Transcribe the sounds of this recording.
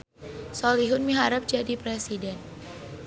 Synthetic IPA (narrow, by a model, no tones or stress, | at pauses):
sɔliɦʊnmiɦaɾap̚d͡ʒadipɾesidɛn